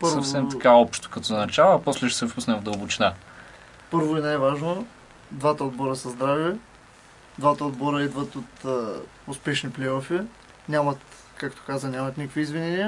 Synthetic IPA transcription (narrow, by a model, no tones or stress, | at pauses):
pəsɾvɐfɛmt̪kaɔpʃt̪o̥kɐt̪ɔnɐt͡ʃavəːpɔslɛʃɛsɛfpusnɛvd̪əlˠbot͡ʃina | pɤɾvoɛnajvaʒno | d̪vat̪əod̪̚bɔɾəsɐzd̪ɾavɛ | d̪vat̪əod̪bɔɾəɛd̪vət̪ot̪ə | ʊspɛʃniplɛjɔfi | nʲamɐt̪ | kakt̪o̥kazənʲamɐt̪nikəkviːzvinɛniə